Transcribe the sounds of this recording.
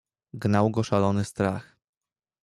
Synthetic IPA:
ɡnawɡɔʂalɔnɘst̪ɾax

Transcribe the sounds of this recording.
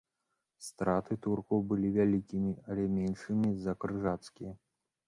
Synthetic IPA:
st̪ɾat̪ɨt̪urkɔwbɨlʲivʲalʲikʲimʲiɐlʲɛmʲɛnʂɨmʲizɐkɾɨʐat̪skʲijɐ

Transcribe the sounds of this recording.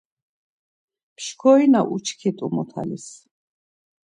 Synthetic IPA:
pʰʃkʰɔinaʔut͡ʃʰkʰit̪ʼumɔt̪ʰa̰lis

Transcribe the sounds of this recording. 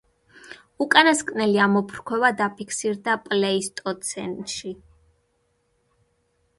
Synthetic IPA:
ukʼanaskʼnɛliamɔpʰɾkʰwɛvad̪apʰikʰsiɾd̪apʼlɛist̪ʼɔt̪sʰɛ̰nt̪ʼʃi

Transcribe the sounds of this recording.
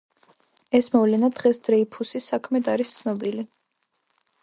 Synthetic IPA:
ɛsmɔvlɛnad̪̥ʁɛsd̪ɾɛipʰusisakʰmɛd̪aɾist̪sʰnɔbili

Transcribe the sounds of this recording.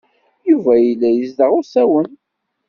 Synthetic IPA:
juvæjəlːæjəzdəʁʊsæwən

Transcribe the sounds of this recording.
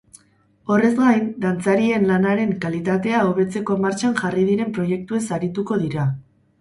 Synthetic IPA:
o̞re̞zɡajnd̪ant͡saɾie̞nlanaɾe̞ŋkalit̪at̪e̞aoβ̞e̞t͡se̞ko̞maɾt͡ʃaŋʝarið̞iɾe̞mpɾo̞je̞k̚t̪ue̞saɾit̪uko̞ðiɾa

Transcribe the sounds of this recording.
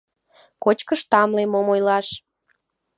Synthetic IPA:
kot͡ɕkəʃt̪ɑmlemomojlɑʃ

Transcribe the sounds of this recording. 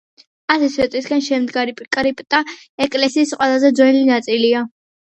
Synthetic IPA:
asɛsvɛt̪ʼisɡanʃɛmd̪ɡaɾipʼkʼɾipʼt̪ʼa | ɛkʼlɛsiːsqʼwɛlˠazɛd̪zwɛlinat̪sʼilia

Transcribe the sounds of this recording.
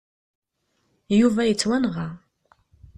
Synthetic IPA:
juvæjət͡sːwænʁɑ

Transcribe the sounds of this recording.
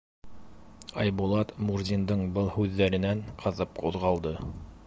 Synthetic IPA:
ɑjbulˠɑt̪muɾzʲind̪ɤɴbɤlˠhʉðːæɾɘ̆næɴqʰɤ̆ðɤp̚quðʁɑlˠd̪ɤ

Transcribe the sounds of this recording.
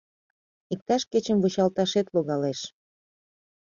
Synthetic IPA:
ik̚t̪ɑʃket͡ɕəmvot͡ɕɑlt̪ɑʃet̪loɣɑleʃ

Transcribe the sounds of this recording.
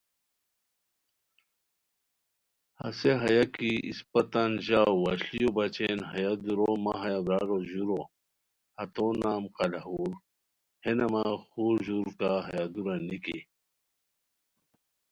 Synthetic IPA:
hɐ̰seɦɐjakiʔḭspɐt̪anʑaːɐɕlijobɐt͡ɕenɦɐjad̪uɾomaɦɐjabɾaːɾoʑuɾo | hɐt̪oːnaːmqɐlaɦuːɾ | henɐmaxuːɾʑuɾkaɦɐjad̪uɾaniki

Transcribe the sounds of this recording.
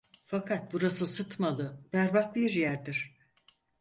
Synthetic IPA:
fakʰat̪̚buɾasɯsɯt̪malˠɯb̥æɾbahbiɾjæɾd̪iɾ̥

